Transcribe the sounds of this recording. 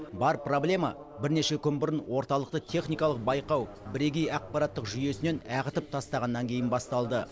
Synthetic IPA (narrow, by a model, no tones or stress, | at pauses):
bɑɾpro̞blʲe̞mɑ | bɪɾne̞ʃe̞kʲʰʏnbʊɾənwo̞ɾt̪ɑlˠəqt̪ət̪ʲʰe̞χnijkɑlˠəq̚bɑjqɑw | bɪɾeɡʲejɑq̚pɑɾɑt̪ːəqʒʏje̞sɪne̞næʁət̪əp̚t̪ʰɑst̪ɑʁɑnːɑŋkʲʰe̞jɪnbɑst̪ɑlˠd̪ə